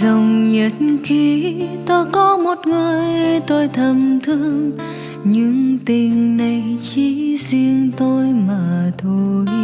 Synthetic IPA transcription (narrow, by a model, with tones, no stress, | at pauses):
zə˨˩wŋ͡mɲə˨˩t̚n̩ki˧˩t̪o˧jkɔ˨˦mo˨˩t̚ŋɨ˨˩əjt̪o˧jt̪ʰə˨˩mt̪ʰɨ˧əŋ | ɲɨ˧˥ŋt̪ï˨˩ŋ̟na˨˩jt͡ɕi˧˦si˧əŋt̪o˧jmaː˨˩t̪ʰo˧j